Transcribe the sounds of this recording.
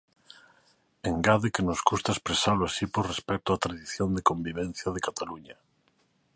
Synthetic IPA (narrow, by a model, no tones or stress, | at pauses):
eŋɡaðekenozɡust̪aespɾesaloasipoɾrespɛk̚t̪oat̪ɾaðiθjond̪ekõmbiβɛ̃n̟θjað̞ekat̪aluɲa